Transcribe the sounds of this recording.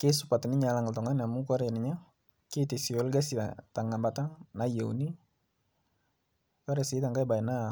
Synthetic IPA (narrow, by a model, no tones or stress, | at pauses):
kesupat̪ɛniɲalaŋalt̪ɔŋanamukɔɾɛniɲa | kit̪isiɔlɡasia̰t̪aŋambat̪aŋnajeṵni | kaɾesit̪aŋkaibaɛna